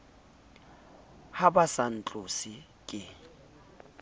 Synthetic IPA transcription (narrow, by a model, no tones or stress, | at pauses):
habasan̩t͡ɬʼʊsɪ | kʼɪ